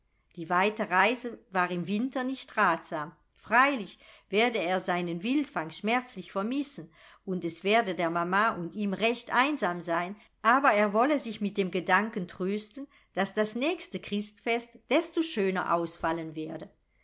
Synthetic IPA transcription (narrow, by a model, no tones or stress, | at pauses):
d̥iːvaɪtəʁaɪzəvaːʁɪmvɪntɐnɪçtʁaːtz̥aːm | fʁ̥aɪlɪçveːɐdəeːɐzaɪnənvɪltfaŋʃmɛɐt͡slɪçfɛɐmɪsən̩ | ʊntɛsv̥eːɐdədeːɐmamaːʔʊntiːmʁɛçtʔaɪnzaːmzaɪn | ʔaːbɐeːɐvɔləzɪçmɪt̚d̥eːmɡədaŋkən̩tʁ̥øːstn̩ | d̥asd̥asnɛːçstəkʁ̥ɪstfɛstd̥ɛstoʃøːnɐ̰ʔa̰ʊsfalənvɛːɐdə